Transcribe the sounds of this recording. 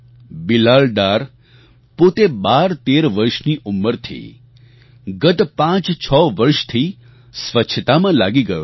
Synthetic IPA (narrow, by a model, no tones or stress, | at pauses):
bilaɭɖaɾ | pot̪ebaɾt̪eɾʋəɾʃniʔumːəɾt̪ʰḭ | ɡət̪pãt͡ʃt͡ʃʰɔʋəɾʃt̪ʰi | sʋət͡ʃʰət̪amãlaɡiɡəjo̰